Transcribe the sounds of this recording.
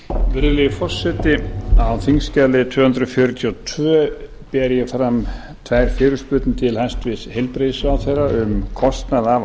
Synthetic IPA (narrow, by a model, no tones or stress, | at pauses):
vɪɾðlɪfɔr̥sːɛt̪ɪawθiŋscalɪt̪ʰvœːhʏnt̪ɾʏfjœɾʏt̪ʰjɔt̪ʰvœː | pɛɾjɛfɾam | t̪ʰvajɾ̥fɪːɾʏspʏːt̪nɪt̪ʰɪlhajst̪vɪshejlpɾejsʏawθejraʏmkʰɔst̪naða